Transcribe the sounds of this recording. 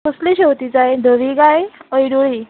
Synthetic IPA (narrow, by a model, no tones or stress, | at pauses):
əsliɕewt̪id͡zajd̪ʱəʋiɡajəjɽuɭi